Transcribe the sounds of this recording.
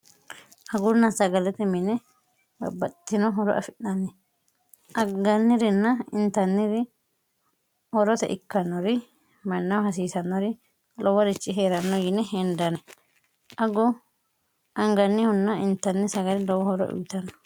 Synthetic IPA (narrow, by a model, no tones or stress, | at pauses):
ʔɐɡʊnːɐsɐɡɐlɛt̪ɛmɪnɛ | ɐbɐt̪ːɪnɔɦɔɾɔ̰ʔɐ̰fɪnːɐnːɛ | ʔɐɡɐnːɪɾɪnːɐɪnt̪ɐnːɪɾɪ | hɔɾɔt̪ɛ̰ʔɪkːɐnːɔɾɪ | mɐnːɐwhɐsiːsɐnːɔɾɪ | lɔwɐɾɪt͡ʃʼːɪɦeːɾɐnːɔjɪnɛɦɛnd̪ɐnɛ | ʔɐɡʊ | ʔɐŋɡɐnːɪhʊnːɐɪnt̪ːɐnːɪsɐɡɐlɪlɔwɔhɔɾɔ̰ʔʊ̰jɪt̪ɐnːɔ̥